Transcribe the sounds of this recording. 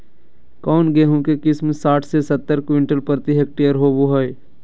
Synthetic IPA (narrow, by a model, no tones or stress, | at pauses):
kɔːnɡeːɦũkekɪsmsaːʈʰsesɐt̪ːəɾkwɪɳʈəlpəɾt̪iɦek̚ʈejəɾɦoːboɦəj